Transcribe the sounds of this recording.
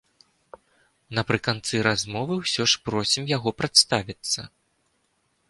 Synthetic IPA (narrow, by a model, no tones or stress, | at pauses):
nɐpɾɨkant̪sɨɾazmɔvɨwsʲɔʂpɾɔsʲimjaɣɔpɾat̪st̪avʲit̪sːɐ̰